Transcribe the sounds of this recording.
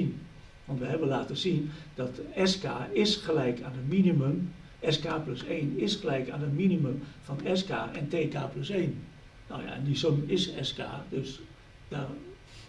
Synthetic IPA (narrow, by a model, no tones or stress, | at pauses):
n | ʋɔntʋəhɛbənlaːtəsind̥ɔtɛskaːɪsχəlɛjkʰandəminiməm | ʔɛskaːpløseːnɪsxəlɛjkaːndəminiməmfɔnɛska̰ːʔɛnteːkaːpløseːn | no̰wja̰nisomɪsɛska̰ːdøs | da